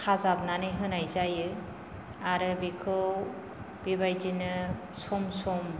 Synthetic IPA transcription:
kʰazab̚nanɯjɦɯnajzajɯ | aɾɯbikʰɯw | b̥ibajdinɯ | sɔmsɔm

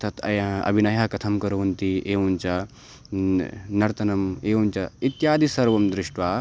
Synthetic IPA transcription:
t̪ʰɐt̪ʰɐ̰jɐɐ̰bʱinɐjakɐt̪ʰɐmkɐɾuʋɐnt̪ieːʋɐnt͡ʃa | nɐɾt̪ɐnɐmeːʋɐnt͡ʃɐit̪jaːd̪isɐɾʋɐmd̪ɾɪʂʈʋaː

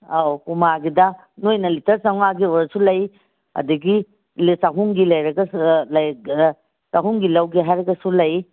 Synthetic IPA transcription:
awkumaɡidɐ | nojnɐlitʰɐɾsaŋaɡioɾɐsulɐj | ɐ̰duɡi | lsaɦuŋɡilɐjɾɐɡɐlɐj | saɦuŋɡilɐwɡiɦajɾɐɡɐsulɐj

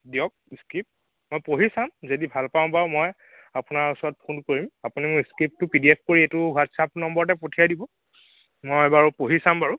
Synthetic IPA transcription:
diɔk̚skip̚ | mojpoɦisamzodibʱalpaʊ̃baʊ̃moj | apʊnaɹusɔɹɔt̚pʰunkoɹimapunimʊjskip̚tʊpidiep̚ʰkoɹietʊwatsapnɔmbɔɹɔt̬ɛpotʰijajdibɔ | mojɛbaɹʊpoɦisambaɹʊ

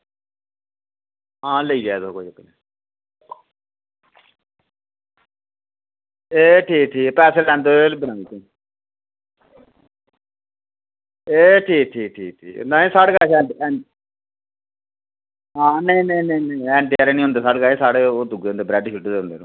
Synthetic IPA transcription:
ɦãːləiːd͡ʒaːd̪oːkoːid͡ʒəkːne | eːʈʰiːkʈʰiːkpɛːseːlɛ̃ːnd̪oːelbənãːiːt̪ẽ | eːʈʰiːk̚ʈʰiːk̚ʈʰiːk̚ʈʰḭːknãːẽːsaːɽkaːsɛːɳɖɛːɳ | ɦãːnẽːnẽːnẽːnẽːɛ̃ːɳʈːaːɾeːnĩːõnd̪eːsaːɖɡaːeːsaːɽeːoːd̪ʊɡeːõnd̪eːbɾɛːɖʃuʈd̪eːɦʊ̃nd̪ḛːnũː

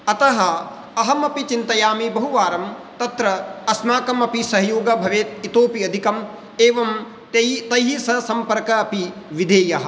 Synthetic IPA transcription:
ɐt̪ɐɦɐ | ɐɦɐmɐpit͡ʃint̪ɐjaːmibɐɦuʋaːɾɐmt̪ɐt̪ɾɐːsmaːkɐmɐpisɐɦɐjoːɡɐbʱɐʋeːt̪̚it̪oːpiɐd̪ʱikɐm | eːʋɐm | t̪ɐt̪ɐjɦisɐsɐmpɐɾkɐːpiʋid̪ʱeːjɐɦɐ̆

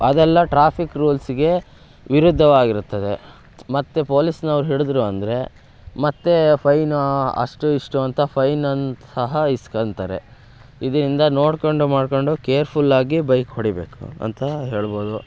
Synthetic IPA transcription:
ɐd̪ɛlːɐʈɾaːpʰikɾuːlsiɡe̞ | ʋiɾud̪ʱːɐʋaːɡiɾut̪ːɐd̪e̞ | mɐt̪ːe̞po̞ːlisnɐɐʋɾuɦiɭd̪ɾuɐnd̪ɐɾe̞ | mɐt̪ːe̞pʰɐjnɐ̰ʂʈuiʂʈuɐnt̪ʰɐpʰɐjnɐnt̪ɐɦɐiskɐnt̪ɐɾe̞̰ | id̪ɐɾind̪ɐnoːɽkoɳɖumaːɖko̞ɳɖukeːɾpʰulːaːɡibɐjkhoɽibe̞ːkṵɐ̰nt̪ɐɦeːɭbo̞ːd̪u

